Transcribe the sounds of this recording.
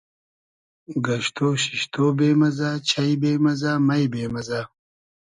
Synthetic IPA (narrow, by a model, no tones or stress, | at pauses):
ɡɐɕt̪oːɕiɕt̪oːbeːmɐzaːt͡ɕʰajbeːmɐzaːmajbeːmɐza